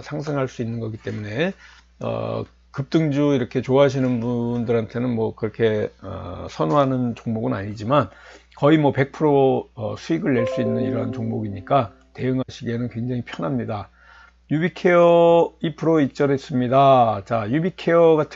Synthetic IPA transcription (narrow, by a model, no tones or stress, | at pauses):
sʰaŋs̬ʰɯŋɦaɭs͈uinːɯnɡʌɡit͈e̞mune̞ | ʌ̰ | kɯp̚t͈ɯŋd͡ʑuiɾʌkʰe̞t͡ɕoaɕ̬ʰinɯnbundɯɾɦantʰe̞nɯnmwʌkɯɾʌkʰe̞ʌ̰sʰʌnoɦanɯnt͡ɕoŋmoɡɯnaɲid͡ʑimankʌimwʌpe̞k̚pʰɯɾoʌsʰuiɡɯɭːe̞ɭs͈uinːɯniɾʌɦant͡ɕoŋmoɡiɲik͈a | te̞ɯŋɦaɕʰiɡe̞nɯnkwe̞ŋd͡ʑaŋipʰjʌnɦamɲida | jubikʰeʌipʰɯɾoit͡ɕ͈ʌɾes͈ɯmɲidat͡ɕajubikʰe̞jʌɡatʰ